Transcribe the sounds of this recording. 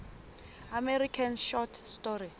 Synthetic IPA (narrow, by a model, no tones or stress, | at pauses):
amɛɾikʰanʃɔtʰstɔri